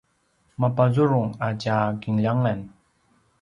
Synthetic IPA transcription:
mapazuɾuŋat͡ɕaɡiŋʎaŋan

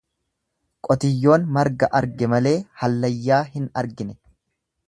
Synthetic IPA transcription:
kʼɔt̪ɪjːo̞ːnmɐɾɡɐʔɐɾɡɛmɐle̞ːhɐlːɐjːaːɦɪnɐɾɡɪnɛ

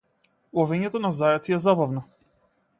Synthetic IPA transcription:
lˠɔvɛɲɛt̪ɔnazajɛt̪siɛzabavnɔ

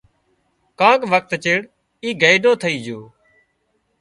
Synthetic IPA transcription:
kãːkʋək̚t̪t͡ʃeːɽ | iːɡəjɗoːt̪ʰəiːd͡ʒoː

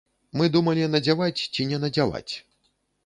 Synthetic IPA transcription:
mɨd̪umɐlʲinɐd͡zʲavat͡sʲt͡sʲinʲɛnɐd͡zʲava̰t͡sʲ

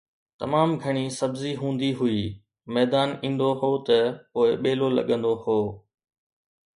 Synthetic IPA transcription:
t̪ɐ̰maːmɡʱɐɽ̃isɐbziɦũːn̆d̪iɦʊiː | mɛːd̪aːnĩːnd̪oɦoːt̪ɐpoːɪɓeːlolɐ̰ɠə̃nd̪ohoː

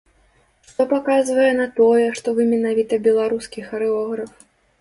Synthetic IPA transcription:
ʂt̪ɔpakazvɐjɛnɐt̪ɔjɛʂt̪ɔvɨmʲɛnavʲit̪ɐbʲɛlˠaɾuskʲixɐɾɛɔɣɾɐf

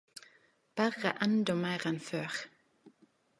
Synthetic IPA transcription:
b̥æʁəʔɛnd̪ɔmeɪʁɛnføːʁ

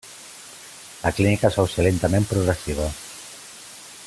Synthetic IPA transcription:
ləklinikəsowselent̪əmempɾuɣɾəsiβ̞ə

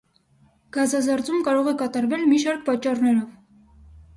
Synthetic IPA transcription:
ɡ̥ɑzɑzɑɾt͡sumkɑɾɔʁɛkɑt̪ɑɾvɛlmiʃɑɾk̚pɑt͡ʃːɑrnɛɾɔv

